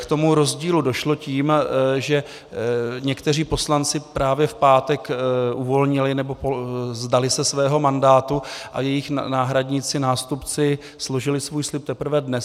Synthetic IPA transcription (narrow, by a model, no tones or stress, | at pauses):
kt̪o̞muɾo̞zɟiːludoʃlo̞ciːmʒɛ | ɲɛkt̪ɛriːpo̞slant͡sɪpɾaːvjɛfpaːt̪ɛkʔuvo̞lɲɪlɪnɛbo̞pozdalɪsɛsvɛːɦo̞mandaːt̪uʔa̰jɛjɪxnaːɦɾadɲɪt͡sɪnaːst̪upt͡sɪ | slo̞ʒɪlɪsvuːjslɪp̚t̪ɛpɾ̩vɛdnɛs